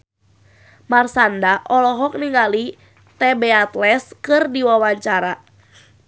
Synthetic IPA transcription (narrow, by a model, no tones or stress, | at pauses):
marsandaʔɔlɔɦɔk̚niŋali | t̪ɛbɛat̪lɛskɨrdiwawaɲt͡ʃaɾa